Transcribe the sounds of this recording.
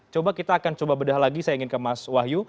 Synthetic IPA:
t͡ʃobakit̪aːkant͡ʃobabədahlaɡisajaiŋɪnkəmaswaɦju

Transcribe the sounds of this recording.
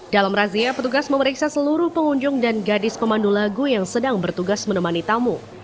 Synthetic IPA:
d̥alamraziapət̪uɡasməməɾiksasəluɾʊhpəŋuɲd͡ʒʊŋdanɡadɪspəmandulaɡujaŋsədaŋbərt̪uɡasmənəmanit̪amu

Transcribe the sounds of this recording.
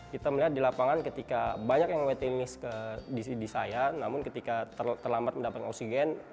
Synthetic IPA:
kit̪aməliɦat̪̚dilapaŋankət̪ikabaɲakjaŋwɛt̪ənɪskədisidisajanamʊnkət̪ikat̪ət̪ərlambat̪̚məndapat̪oksiɡɛn

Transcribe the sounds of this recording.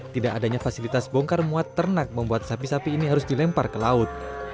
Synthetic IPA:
t̪idaʔadaɲafasilit̪asboŋkarmuat̪ːərnak̚məmbuat̪̚sapisapiːniɦaɾʊsdilɛmparkəlaʊt̪̚

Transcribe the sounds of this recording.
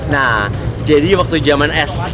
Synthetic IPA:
nah | d͡ʒadiwak̚t̪ud͡ʒamanɛs

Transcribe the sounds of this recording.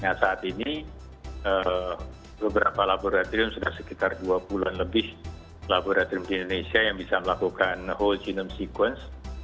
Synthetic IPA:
nasaːt̪ini | ə | bəbəɾapalaboɾat̪oɾɪmsudahsəkit̪arduabulanləbɪh | laboɾat̪oɾimdiindonesiajaŋbisaməlakukanholt͡ʃinəmsikwəns

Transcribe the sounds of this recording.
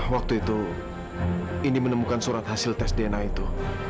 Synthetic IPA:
wak̚t̪uit̪u | inimənəmukansuɾat̪hasɪlt̪ɛsdenait̪u

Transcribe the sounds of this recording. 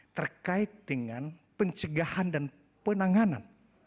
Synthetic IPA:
t̪ərkaɪt̪̚dəŋanpəɲt͡ʃəɡahandan | pənaŋanan

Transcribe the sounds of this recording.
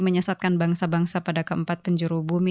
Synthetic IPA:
məɲəsat̪̚kanbaŋsabaŋsapadakəəmpat̪̚pəɲd͡ʒuɾubumi

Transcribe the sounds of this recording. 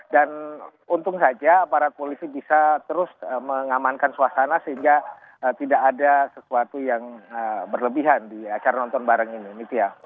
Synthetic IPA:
dan | unt̪ʊŋsad͡ʒapaɾat̪̚polisibisat̪əɾʊsəməŋamankansuasanasəɦiŋɡa | ət̪idakːdasəsuat̪ujaŋəbərləbiɦandiat͡ʃaɾanɔnt̪ɔnbaɾəŋininit̪uja

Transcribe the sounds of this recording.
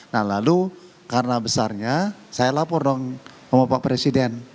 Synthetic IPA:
nahlalu | karənabəsarɲasajalapɔrdɔŋ | məmapapɾesidɛn

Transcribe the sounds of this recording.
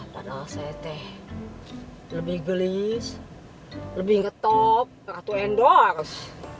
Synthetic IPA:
ta̰dasɛt̪ɛh | ləbɪhɡəlis | ləbɪhŋɡət̪ɔp̚kat̪uɛndɔaɾus

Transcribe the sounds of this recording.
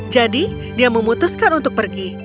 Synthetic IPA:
d͡ʒadi | diaməmut̪ʊskanunt̪ʊk̚pərɡi

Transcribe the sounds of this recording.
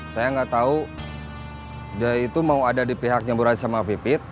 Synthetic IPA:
sajaŋɡaʔt̪au | dait̪umauadadipiɦak̚ɲabuɾat̪samapipɪt̪̚

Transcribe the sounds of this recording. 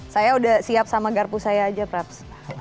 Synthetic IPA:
sajaudahsiap̚samaɡarpusajaːd͡ʒapɾaps

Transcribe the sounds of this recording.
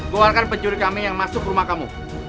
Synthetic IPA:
ɡoalkanpəɲd͡ʒuɾikamijaŋmasʊkrumahkamṵ

